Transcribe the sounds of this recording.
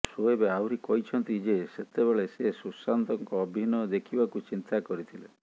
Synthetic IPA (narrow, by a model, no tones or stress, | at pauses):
soebeawɾikɔɦit͡ʃʰɔnt̪id͡ʒeset̪ebeɭesesusant̪ɔŋkɔːbʱinɔd̪ekʰibakut͡ʃint̪akɔɾit̪ʰile